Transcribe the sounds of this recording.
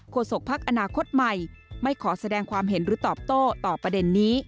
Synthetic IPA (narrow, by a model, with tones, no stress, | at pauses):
kʰoː˧so˨˩k̚pʰa˦˥k̚ʔa˧naː˧kʰo˦˥t̪̚ma˨˩jma˥˩jkʰɔː˩˦sa˧dɛː˧ŋkʰwaː˧mɦe˩˦nɾɯː˨˩˦t̪ɔː˨˩p̚t̪oː˥˩t̪ɔː˨˩pɾa˧de˧nːiː˦˥